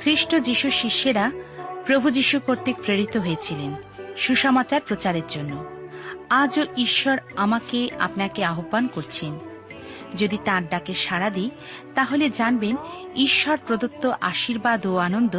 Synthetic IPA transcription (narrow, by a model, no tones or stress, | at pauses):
sʰɾiʃʈod͡ʑiʃuʃiʃːeɾapɾobʱud͡ʑiʃukoɾt̪ik̚pɾeɾit̪oɦojet͡ɕʰilen | ʃuʃɔmat͡ɕaɾpɾot͡ɕaɾeɾd͡ʑonːo | ad͡ʑoiʃːɔɾamakea̰pnakeaɦobːankoɾt͡ɕʰen | d͡ʑod̪it̪ãɾɖakeʃaɾad̪i | t̪aɦoled͡ʑanbeniʃːɔɾpɾod̪ot̪ːoʔaʃiɾbad̪ʱoanond̪o